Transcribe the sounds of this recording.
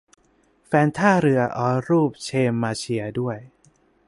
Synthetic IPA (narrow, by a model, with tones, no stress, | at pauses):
fɛː˧nt̪ʰaː˥˩ɾɯ˨˩˦ɐʔɔː˧˥ɾuː˥˩p̚t͡ɕʰeː˧mːaː˧t͡ɕʰi˧ɐdu˥˩əj